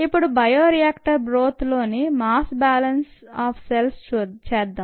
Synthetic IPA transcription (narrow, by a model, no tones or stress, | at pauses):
ipːuɽubɐjoːɾiaːkʈɐɾbɾoːt̪loːnimaːsbaːlɐnsaːpʰselst͡ʃuːt͡ʃɛːd̪ːaːm